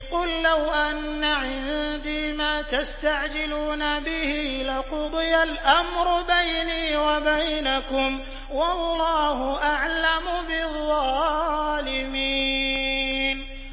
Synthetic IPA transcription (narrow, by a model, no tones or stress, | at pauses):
qʊlːawʔanːaʕɪnd̪iːmaːt̪ast̪aʕd͡ʒɪluːnabɪhilɪqʊd̪ˤɨjalʔamɾʊbajniːwabajnakʊm | wɑlːɑːhʊʔaʕlamʊbɪðˤːɑ | lɪmiː | n